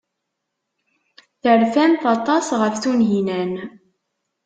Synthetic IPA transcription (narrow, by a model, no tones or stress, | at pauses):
θəɾfænθɑt̪ˤɑsʁəfθunɦinæn